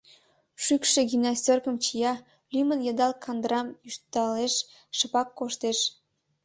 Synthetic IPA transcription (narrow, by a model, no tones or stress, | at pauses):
ʃykʃeɡʲimnɑstʲorkəmt͡ɕijɑ | lymənjɑd̪ɑlkʰɑnd̪ɾɑmyʃt̪ɑleʃ | ʃəpɑkːoʃt̪eʃ